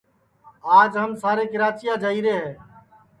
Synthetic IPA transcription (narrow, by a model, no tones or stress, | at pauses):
aːd͡ʒɦəmsaːɾeːkɪɾaːt͡ʃɪjaːd͡ʒaːiːɾeːɦeː